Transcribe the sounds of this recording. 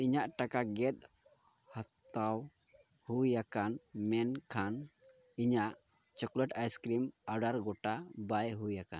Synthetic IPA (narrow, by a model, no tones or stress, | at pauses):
iɲaʔʈakaɡɛt̪̚ | hat̪aw | hujakanmɛnkʰan | iɲaʔ | t͡ʃɔkləʈajskɾimaɖaɾɡɔʈabajɦujaka̰n